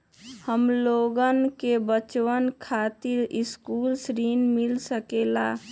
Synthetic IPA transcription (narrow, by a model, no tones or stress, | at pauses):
həmloɡənkebət͡ʃwənkʰat̪iɾɪskuːlsɾinmilsəkela